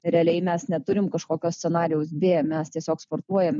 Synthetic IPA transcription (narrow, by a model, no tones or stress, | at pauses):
ɾʲɛɐlʲɛɪmʲɛsnʲɛt̪ʊɾʲɪmkɐʃkoːkʲoːsʲsʲɛnɑːɾʲɪjɛʊsbʲeːmʲɛst̪ʲiɛsʲoːkspoːrt̪uɔjɛm